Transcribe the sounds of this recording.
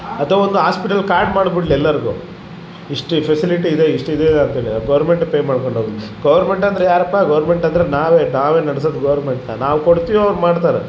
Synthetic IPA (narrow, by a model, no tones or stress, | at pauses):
ɐt̪ʋɐond̪uɦaːspiʈɐlkaːɾʈmaːɽbiʈliɛlːɐɾɡṵ | iʂʈpʰesiliʈ̬iːd̪eiʂʈid̪eːid̪eɐnt̪ɐɦeːɭiaɡɐʋɐɾmeɳʈpeːmaːɽko̞ɳɖʱoːɡilːiɡɐʋɐɾme̞ɳʈɐnd̪ɐɾejaːɾɐpːaɡɐʋɾme̞ɳʈɐnd̪ɐɾenaːʋe̞ːnaːʋe̞ːnɐɽs̬oːd̪ɡɐʋɐɾmeɳʈnɐnaːʋkoɽt̪iʋoɐʋɐɾmaːɽt̪aːɾe